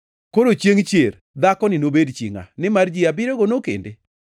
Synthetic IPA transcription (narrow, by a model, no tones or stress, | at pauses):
koɾot͡ʃjeŋt͡ʃjeɾ | d̪akɔnɪnobedt͡ʃḭŋa̰nɪmard͡ʒiabɪɾoɡonokḛnde